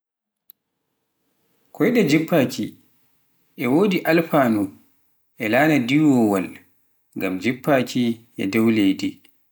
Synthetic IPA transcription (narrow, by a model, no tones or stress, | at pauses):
kʰɔjɗɛd͡ʒipːaːki | ʔɛwoːdiʔalfaːnu | ʔɛlaːnadiwɔwal | ŋɡamd͡ʒipːaːkʰiʔɛ̰dawlejdi